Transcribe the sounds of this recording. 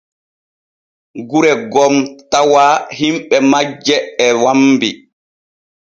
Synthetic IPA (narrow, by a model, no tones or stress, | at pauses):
ɡuɾɛɡɔmtawaːhimɓɛmad͡ʒːɛːwambi